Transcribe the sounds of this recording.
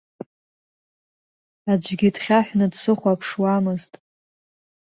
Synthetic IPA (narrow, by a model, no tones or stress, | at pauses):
ad͡ʒʷɡʲidχʲaħʷᶣnɨdsɨχʷapʰʂwamɨztʼ